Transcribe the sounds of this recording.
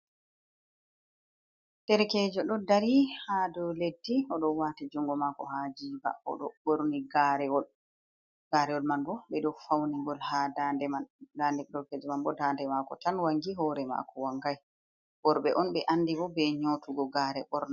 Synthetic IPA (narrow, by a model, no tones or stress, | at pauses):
tɛɾɛkɛd͡ʒɔɗɔdaɾihadɔledːiɔɗɔwatid͡ʒuŋɡɔmakɔ̰had͡ʒiːba̰ɔ̰ɗɔ̰ɓoɾniɡaɾɛwɔ | ɡ̥aːɾɛwɔlmanbɔɓɛɗɔfawniŋɡɔlhadandɛmandandɛkdɔɾkɛd͡ʒɛmanbɔdaːndɛmakɔtanwaŋɡiɦɔːɾɛma̰kɔwaŋɡaj | bɔɾɓɛʔɔnɓɛʔanːdibɔbɛɲotuɡɔɡaːɾɛɓɔɾna